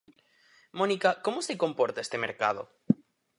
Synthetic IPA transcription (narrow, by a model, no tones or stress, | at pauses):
monikakomoseko̞mpoɾt̪aest̪emeɾka̰ð̞o̰